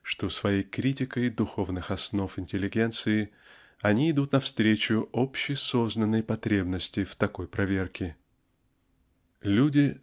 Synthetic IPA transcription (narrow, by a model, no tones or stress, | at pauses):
ʂt̪o̞svɐjejkɾʲitʲɪkəjd̪ʊxo̞vnɨxɐsno̞fɪnʲtʲɪlʲːɪɡʲe̞nt̪sɨɪ | ɐnʲiɪd̪ut̪nɐfst̪ɾʲet͡ɕʊopɕːɪso̞znənːəjpɐt̪ɾʲe̞bnəsʲtʲɪft̪ɐko̞jpɾʔɐvʲe̞rkʲɪ | lʲudʲɪ